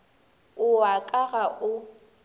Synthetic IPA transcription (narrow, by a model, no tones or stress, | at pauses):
ʊakʼaɣaʔʊ